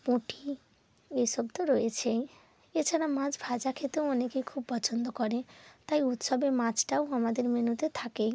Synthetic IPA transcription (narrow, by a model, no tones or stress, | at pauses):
põʈʰi | esɔbt̪ɔɾoet͡ʃʰe | et͡ʃʰaɽamãd͡ʒbʱad͡ʒakʰet̪õonekekʰubpɔt͡ʃʰɔnd̪ɔkɔɾẽt̪aiut̪sɔbemãt͡ʃʈawɦamad̪eɾmenut̪et̪ʰakẽ